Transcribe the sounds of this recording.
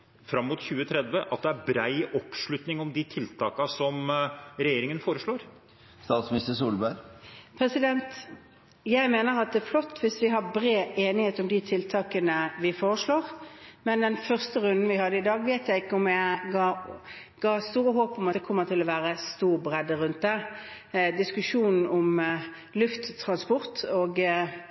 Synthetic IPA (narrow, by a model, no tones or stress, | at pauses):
fɾɑmːuːt̪çʉːət̪ʰɾɛd̪ʋəʔɑt̪̚d̪ɛæɾbɾæɪʔɔpʂɭʉt̪nɪŋɔmd̪ɪt̪ʰɪlt̪ʰɑ̰ːkɑsɔmɾɛjeːɾɪŋənfoːɾəʂɭoːɾ | st̪ɑːt̪smnɪst̪əsuːlbæɾpʰɾɛsɪd̪ɛnt̪ | jæɪmeːnəʁɑt̪̚d̪ɛːflɔt̪ːʋɪsʋɪɦɑbɾeːeːnɪheːt̪ɔmd̪ɪt̪ʰɪlt̪ʰɑːkənəʋɪfoːʁəʂɭoːʁmɛnd̪ɛnfœʁst̪əɾʉnd̪n̩ʋɪhɑd̪ːəɪd̪ɑːɡʋeːt̪jæɪɪkːəɔmjæɪɡɑː | ɡ̥ɑːst̪uːɾəɦoːpɔmɑt̪d̪ɛkʰɔmːəʁt̪ʰɪlɔʋæːɾəst̪uːʁbɾɛd̪ːəɾʉnt̪̚d̪ɛ | d̪ɪskʉʂuːnn̩ɔm | lʉft̪ʰːʁɑnspɔʁt̪oːɡ